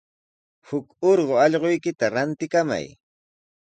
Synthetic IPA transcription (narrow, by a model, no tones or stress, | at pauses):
hʊkoɾɢoɑʎɢojkɪt̪aɾant̪ɪkama̰j